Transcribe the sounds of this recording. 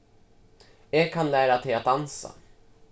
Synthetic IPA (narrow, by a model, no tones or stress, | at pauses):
jɛːɡkʰːanlæːɾat̪ʰɛjat̪̚d̪ansa̰